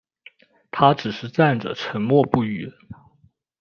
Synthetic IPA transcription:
t̪ʰa˥ʈ͡ʂɻ̩˨˩ʂɻ̩˥˧t͡sa˥˩nʈ͡ʂə̰˨˩ʈ͡ʂʰə˧˥nmwɔ˥˧pu˥˩y˧˥

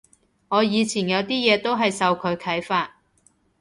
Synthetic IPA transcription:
ŋɔː˨˧jiː˨˧t͡sʰiː˨˩njɐ˨˧wt̪iː˥jɛː˨˧t̪o˥wɦɐ˨jsɐ˨wkʰɵ˨˧ɥkʰɐ˨˥jfaː˧t̚

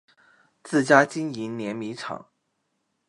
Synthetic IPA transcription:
t͡sɹ̩˥˩t͡ɕja˥t͡ɕi˥ni˧˥nnjɛ˧˥nmi˧˥ʈ͡ʂʰɑ̰˨˩˦ŋ

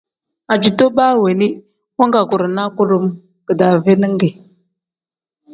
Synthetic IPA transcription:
a˨d͡ʒi˨to˦ɓa˦˨we˨ni˦ | wa˦ŋɡa˨ku˨ɾna˦ku˦ɾu˦m | kə˨da˨ve˦nə˦ŋ˦ɡe˨

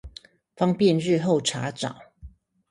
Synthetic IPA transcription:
fɑ˥ŋpjɛ˥˧nɻɻ̩˥˧xo˥˩ʊʈ͡ʂʰa˨˥ʈ͡ʂɑ̰˨˩˦ŋ

